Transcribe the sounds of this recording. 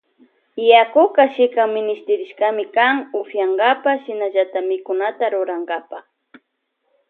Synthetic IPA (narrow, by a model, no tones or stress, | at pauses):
jakʊkaʃɪkaŋmɪnɪst̪ɪɾɪʃkamɪkaŋʊhjaŋɡapaʃɪnaʎat̪amɪkʊnat̪aɾʊɾaŋɡapa